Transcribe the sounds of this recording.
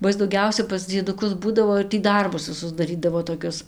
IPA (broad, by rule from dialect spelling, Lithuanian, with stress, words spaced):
bɐ ˈɪs dɐʊˈɡʲɛʊsʲɛ pɐs d͡zʲiɛdʊˈkʊs ˈbuːdɐʋoː ɪr tʲiː ˈdɐrbʊs ʋʲɪˈsʊs dɐˈrʲiːdɐʋoː toːˈkʲʊs